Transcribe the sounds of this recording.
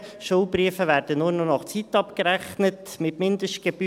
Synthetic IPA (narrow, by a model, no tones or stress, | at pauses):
ʃulbɾiəfəʋæːɾd̥ənʊːɾnɔnɑχt͡sit̪ɑpkəɾæχnətmɪtmɪnd̪əʃt̚ɡ̥eb̥y